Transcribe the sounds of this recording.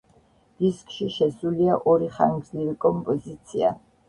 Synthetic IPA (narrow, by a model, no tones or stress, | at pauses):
d̪̥iskʼʃiʃɛsuliaʔɔɾiχa̰ŋɡzniɾikʼɔmpʼɔzit̪sʰia̰